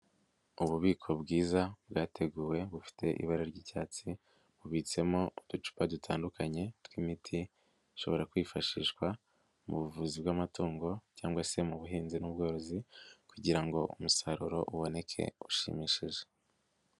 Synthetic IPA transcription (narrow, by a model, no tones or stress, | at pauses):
uβuβiːkʰo̞bɡiːzabɡaːtʰe̞ɡuːwe̞βufi̥tʰe̞ʔḭβaɾaɾɟiːcaːt͡si | βuβiːt͡se̞mo̞ud̥ut͡ʃu̥padutʰaːndukaɲe̞tkwimitʰi | ʃo̞̰βo̞ɾakwiːfaʃiʃkwa | muβuvuzibɡamatuːŋɡo̞caːŋɡwase̞muβuɦiːnzinub̚ɡo̞ːɾo̞zikuɟiɾaŋɡo̞ʔumusaɾuɾo̞ʔuβo̞ne̞kʰe̞̰uʃḭmiʃiʒe̞